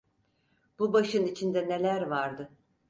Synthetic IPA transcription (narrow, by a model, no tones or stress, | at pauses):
b̥ubaʃɯnit͡ʃʰind̪ɛne̞lʲæɾvaɾd̪ɯ